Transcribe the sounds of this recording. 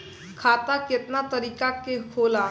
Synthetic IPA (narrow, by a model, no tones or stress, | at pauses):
kʰaːt̪akɪt̪nat̪ɐɾiːkakekʰoːlaː